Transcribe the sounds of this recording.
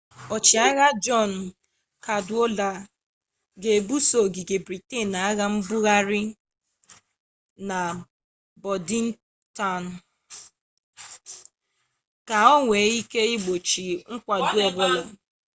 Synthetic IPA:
ɔ˨t͡ʃi˨a˦ɣa˦d͡ʒɔ˦˨n˨ | ka˨dʊ˦o˦la˨ | ɡe˨bu˦so˨ɡi˨ɡe˨bɾi˨te˦˨na˨a˦ɣa˦m̩˦bu˦ɣa˦ɾɪ˦ | na˨ | bɔ˨di˦n̩˦ | ta˦˨n̩˨ | ka˨ɔ˦ŋʷe˨˦i˦ke˦i˦ɡ͡bo˨t͡ʃi˨ŋ̩˦kʷa˨du˦ɔ˨bʊ˦lɔ˨

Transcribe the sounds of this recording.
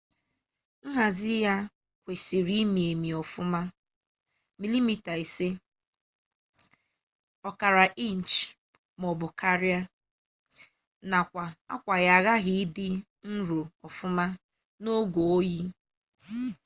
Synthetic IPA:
ŋ̩˦ɦa˨zɪ˦ja˦ | kʷe˨si˨ɾi˦mi˨e˨mi˨ɔ˨fʊ˦ma˦ | mi˨li˦mi˦ta˨e˨se˦ | ɔ˦ka˨ɾa˨ʔi˦n̩˨t͡ʃ | mɔ˨bʊ˨ka˦ɾɪ˦a˦ | na˨kʷa˨a̰˦kʷa˨ɣa˨ɣa˦ɦɪ˨ɪ˦dɪ˦ | n̩˦ɾo˨ɔ˨fʊ˦ma˦ | no˦ɡo˨o˦ji˦

